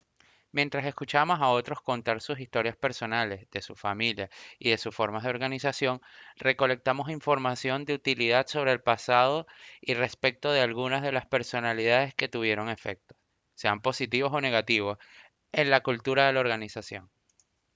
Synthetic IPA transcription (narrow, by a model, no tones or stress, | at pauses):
mje̞nt̪ɾase̞skut͡ʃamo̞sao̞t̪ɾo̞sko̞nt̪aɾsus̬ist̪o̞ɾjaspe̞ɾso̞nale̞zðe̞sufamiljaiðe̞susfo̞ɾmazðeoɾɣanisasjo̞ŋre̞ko̞le̞k̚t̪amo̞siɱfo̞ɾmasjo̞nd̪eut̪iliðad̪so̞βɾeːlpasaðo̞ire̞spe̞k̚t̪o̞ð̞e̞alɣunazðe̞laspe̞ɾso̞naliðað̞e̞ske̞t̪uβ̞je̞ɾo̞ŋe̞fe̞̰k̚t̪o̞̥ | se̞ampo̞sit̪iβo̞so̞ne̞ɣat̪iβ̞o̞s | e̞nlakult̪uɾaðe̞lao̞ɾɣanisasjo̞n